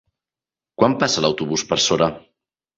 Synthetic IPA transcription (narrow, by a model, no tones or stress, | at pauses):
kwampasələwt̪uβuspəɾsoɾə